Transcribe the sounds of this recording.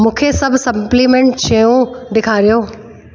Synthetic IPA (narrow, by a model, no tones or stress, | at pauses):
mũːkʰesɐbʱsɐmplimẽːɳʈt͡ɕejũɖɪkʰaːɾijoː